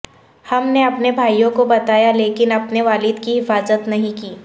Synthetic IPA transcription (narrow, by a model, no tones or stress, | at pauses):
hɐmneɐpnebʱaːijõkobɐt̪aːjaleːkɪnɐpneʋaːlɪd̪kiɦɪfaːzət̪nɐɦĩkiː